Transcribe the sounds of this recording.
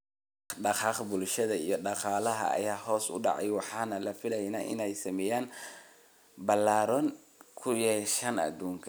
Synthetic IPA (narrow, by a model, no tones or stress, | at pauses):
ɖɑqɑːχbʊlʃɐðɐḭjɞɖɑqɑːlɐɦɐ̰ːjaːhɔːsʊ̰ɖɑ̰ʕɑ̰jwɑħɑːnɐlɐfɪlɛjnaːʔɪ̰nɛjsɐmɛjaːn | bɐlːaːɾɔːn | kʰʊjɛʃɐnɐ̰d̪uːŋkʰɐ